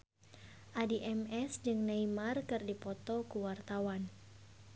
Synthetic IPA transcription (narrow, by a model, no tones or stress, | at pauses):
ʔadiʔɛmɛsd͡ʒɨŋnaimarkɨrdipɔt̪ɔkuwart̪awan